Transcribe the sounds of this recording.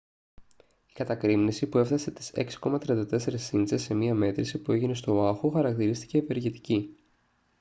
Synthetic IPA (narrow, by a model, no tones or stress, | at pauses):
i̥kɐt̪ɐkɾimnisipue̞fθɐse̞t̪i̥se̞ksi̥ko̞mɐt̪ɾiɐnd̪ɐt̪e̞se̞ɾisːinsese̞miɐme̞t̪ɾisipue̞ʝine̞st̪o̞ɐxuxɐɾɐkt̪iɾist̪i̥ce̞ːpe̞ɾʝet̪i̥ci